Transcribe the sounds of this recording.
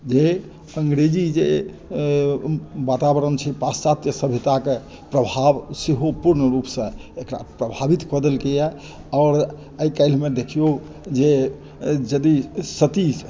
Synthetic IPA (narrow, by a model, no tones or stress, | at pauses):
d͡ʒe | əŋɡɾed͡ʒid͡ʒe | bat̪abəɾənt͡ʃʰɛpassat̪jəsəbʱit̪ake | pɾəbʱabseɦopuɾnəɾupsə̃ekɾa̰pɾəbʱabit̪kəd̪əlkejɛ | ɔːɾ | əikəɪlmed̪ekʰijo | d͡ʒe | d͡ʒəd̪isət̪i